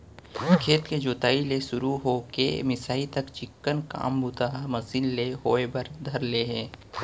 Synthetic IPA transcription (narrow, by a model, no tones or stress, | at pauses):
kʰeːt̪ked͡ʒoːt̪aːilesʊɾuɦokḛmɪsaːit̪ɐkt͡ʃɪkːənka̰ːmbʱut̪aɦmɐsiːlleɦoːebɐɾd̪ʱɐɾleɦɛ̃ː